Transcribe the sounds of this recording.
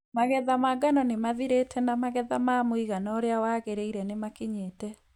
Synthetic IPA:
maɣɛðamaɡanɔnemaðiɾetʰɛnamaɣɛðamamoiɣanɔoɾeawaɣeɾeiɾɛnemakiɲetɛ

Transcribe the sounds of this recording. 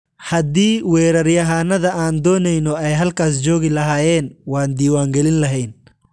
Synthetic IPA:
hɐd̪iːwɛːɾɐrjɐɦaːnɐðɐʔaːnd̪ɔːnɛjnɔɛjɦɐlkʰaːs̬d͡ʒɔːɣɪlɐɦaːjɛːnwaːnd̪iːwaːŋɡɛlɪnlɐɦɛjn

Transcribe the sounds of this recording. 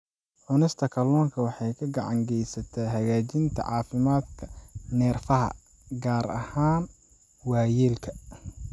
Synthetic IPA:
ʕʊnɪst̪ʰɐkʰɐlɔːŋkʰɐwɑħɑjkʰɐɡɑʕɑŋɡɛjsɐt̪ʰɛɦɐɣaːt͡ʃɪnt̪ʰɐ̰ʕɑːfɪmaːd̪kʰɐnɛːrfɐɦɐ̰ | ɡaːɾɐ̰haːn | wɑːjiːlkʰɐ

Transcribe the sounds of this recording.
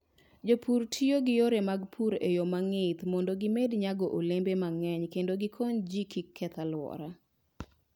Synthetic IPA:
d͡ʒopʰuɾtʰioɡɪjoɾemaɡpʰuɾejomaŋɪt̪mɔndɔɡɪmedɲaɡɔʔolembemaŋɛɲkendoɡɪkʰɔnd͡ʒikikʰːɛt̪alwɔ̰ɾa

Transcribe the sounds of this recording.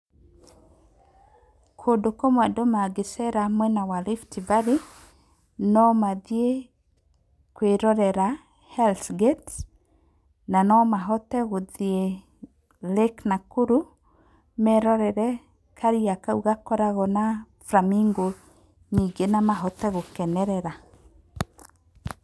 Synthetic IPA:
kʰodokomwadomaɡesɛɾamwɛnawaliftivaɾi | nɔmaðje | kweɾɔɾɛɾa | hɛlθɡet | nanɔmaɦɔtɛɣoðie | leknakuɾu | mɛɾɔɾɛɾɛ | kaɾiakauɣakɔɾaɣɔna | fɾamiŋɡo | niɡenamaɦɔtɛɣokɛnɛɾɛɾa

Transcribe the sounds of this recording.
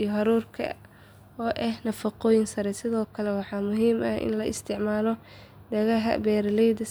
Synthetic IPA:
ijɔɦɑɾuːrkʰɐ̰ | ɔːʔɛhnɐfɑqɔːjɪnsɐɾɛsɪðɔːkʰɐlɛwɑħɑːmʊɦiːmɐhɪ̰nlɐɪ̰st̪ʰɪʕmaːlɔ | d̪ɐɣɐɦɐ̰bɛːɾlɛjd̪ɐ

